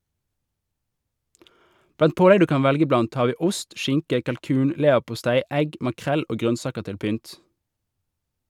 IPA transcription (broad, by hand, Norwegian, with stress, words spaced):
ˈblɑnt ˈpoːlɛɡ ˈdʉː ˈkɑːn ˈʋɛlɡə ˈblɑnt ˈhɑːʁ ˈʋiː ˈʊst ˈʃɪŋkə kɑlˈkʉːn ˈleːʋəʁpʊˌstæɪ ˈɛɡ mɑˈkʁɛl ˈoː ˈɡʁœnˌsɑːkəʁ ˈtɪl ˈpʏnt